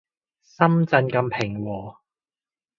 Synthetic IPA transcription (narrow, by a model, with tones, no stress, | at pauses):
sɐ˥mt͡sɐ˧nkɐ˧mpʰɪ˨˩ŋwɔː˨˩